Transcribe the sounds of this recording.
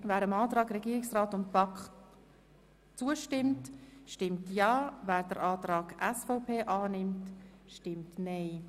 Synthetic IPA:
væːɾəmɑːtɾɑːɡɾɛɡiːɾɪksʁaːtʊntpɑkχ | t͡suəʃtɪmtʃtɪmtjɑːvæːɾd̥əɾʔaːtɾɑːɡʔɛsfɔʊpʰeːʔɑːnɪmtʃtɪmtnɛɪ

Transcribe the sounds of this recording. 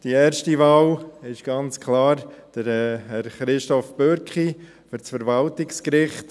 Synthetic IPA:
d̥iɛːɾʃtivɑːlɪʃɡ̥ɑnt͡skʰlɑːɾd̥əɾɛɛɾχɾɪʃtɔfb̥øɾkχi | fʏɾt͡sfəɾvɑltɪkskɾɪχt

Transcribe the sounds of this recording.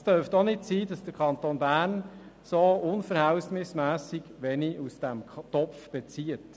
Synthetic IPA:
stœɾftonɪtsiːdɑsd̥əɾkʰɑnt̪oːnbæːrn | soʊnfəɾhæwsmɪsmæːsiɡ̥ʋɛniʔusd̥æmtɔpfb̥et͡siət

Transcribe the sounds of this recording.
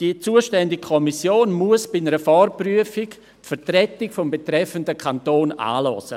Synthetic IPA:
d̥it͡suːəʃtɛndɪɡ̚kʰɔmisjoːnmuəsb̥ɪnəɾəfɔrpryəfɪk | tfɛɾtɾɛtɪkfɔmbetɾɛfəndəkʰantoːna̰ːlɔ̰sə̰

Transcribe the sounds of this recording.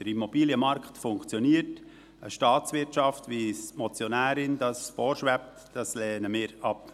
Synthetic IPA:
d̥əɾimːɔbiːljəmɑɾkχtfʊŋkt͡sjɔniːət | əʃtɑːt͡svɪɾtt͡ʃɑftʋismɔt͡sjɔnæːɾɪnd̥ɑsfoːɾʃʋæp̚td̥ɑslɛːnəmɪːɾɑp

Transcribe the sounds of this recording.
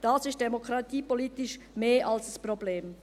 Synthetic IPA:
d̥asɪst̚d̥emokʁɑtiːpolitɪʃ | meːɐʔalsd̥aspʁobleːm

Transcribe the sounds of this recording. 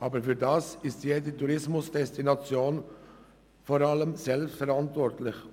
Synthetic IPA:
ʔɑːbəɾfyːdasɪstjeːdətuɾɪsmʊsd̥ɛstinɑt͡sjoːn | fɔɾɑləmzɛlpstfɛɾɑntvɔɾtlɪç

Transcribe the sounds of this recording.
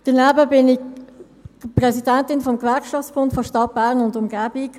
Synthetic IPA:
d̥ənæbəbɪnɪk | pʁɛsidæntɪnfɔmkvæɾkʃɑft͡sb̥ʊntfɔʃtɑt̚b̥æːʁnʊndʊmɡæːb̥ɪk

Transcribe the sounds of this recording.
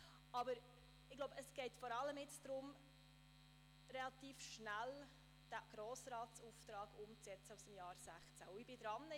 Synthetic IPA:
ɑbəɾ | ɪɡ̥loʊbəəsɡ̥ɛɪtfɔɾɑlːəmɪt͡sd̥̪ɾʊm | ɾɛlɑt̪iːfʃnæl | d̥æɡ̥ɾoːsɾɑːtt͡suːft̪ɾɑːɡ̥ʊmt͡sɛt͡səusəmjɑːɾsæχt͡sæʊɪb̥ɪd̪ɾɑnːə

